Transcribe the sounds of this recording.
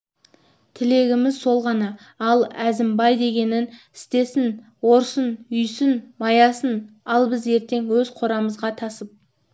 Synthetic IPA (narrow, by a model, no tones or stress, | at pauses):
t̪ʰɪle̞ɡʲɪmɪzso̞lˠʁɑnɑ | ɑlˠæzɪmbɑjd̪e̞ɡʲe̞nɪnɪst̪e̞sɪn | wo̞ɾsənʏjsɪnmɑjɑsən | ɑlˠbɪze̞ɾt̪e̞ŋwɵzqʰo̞ɾɑməzʁɑt̪ʰɑsəp̚